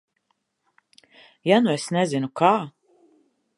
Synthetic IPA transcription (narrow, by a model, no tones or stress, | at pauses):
januesnɛzinukaː